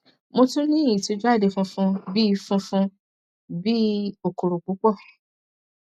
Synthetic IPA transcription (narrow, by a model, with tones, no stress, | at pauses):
mo˧tũ˦nĩ˦˨ĩ˨to˧˦d͡ʒu˦a˦˨de˨fũ˧fũ˧bi˦˧fũ˧fũ˧ | bi˦o˦˨ko˨ɾo˨ku˨˦k͡pɔ˦˨